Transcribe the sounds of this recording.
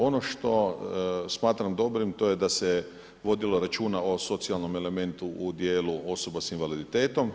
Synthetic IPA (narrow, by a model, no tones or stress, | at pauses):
o̞no̞ʃt̪o̞smaːt̪ɾamd̪o̞bɾimt̪o̞jed̪ase | ʋo̞d̪ilo̞ɾat͡ʃuːnao̞so̞t̪sialno̞me̞le̞me̞nt̪uʔud̪jeːluo̞so̞basinʋalid̪it̪e̞ːt̪o̞m